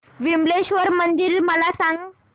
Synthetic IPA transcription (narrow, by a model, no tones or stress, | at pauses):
ʋimleɕʋəɾmənd̪iɾməlasãŋɡ